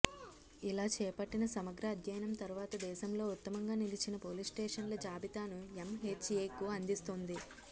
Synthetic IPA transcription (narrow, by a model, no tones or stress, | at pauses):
ilaːt͡ʃɛːpɐʈːinɐsɐmɐɡɾɐːd̪jɐjɐnɐmt̪ɐɾuʋaːt̪ɐd̪ɛːʃɐmlo̞ːut̪ːɐmɐŋɡaːnilit͡ʃinɐpo̞ːlisʈeːʂɐnlɐd͡ʒaːbit̪aːnuemɦeːt͡ʃeːkuɐnd̪ist̪ond̪i